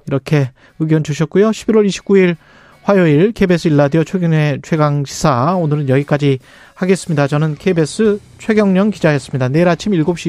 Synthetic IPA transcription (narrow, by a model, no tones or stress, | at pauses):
iɾʌkʰe̞ | ɯɡjʌnd͡ʑuɕʰʌt̚k͈ujoɕʰibiɾwʌɾiɕʰi̥p̚k͈uiɭ | ɸwajoiɭkʰebe̞s͈ʰɯiɭːadiʌt͡ɕʰeɡɯŋe̞t͡ɕʰwe̞ɡaŋɕʰi̥sʰaonɯɾɯnjʌɡik͈ad͡ʑi | haɡe̞s͈ɯmɲidat͡ɕʌnɯnkʰebe̞s͈ʰɯt͡ɕʰwe̞ɡjʌŋɲʌŋkid͡ʑaɦes͈ɯmɲidane̞ɾat͡ɕʰimiɭɡop̚ɕ͈i